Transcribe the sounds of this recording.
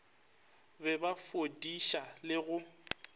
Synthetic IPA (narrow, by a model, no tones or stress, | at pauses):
bɛbafodiʃalɪɣʊ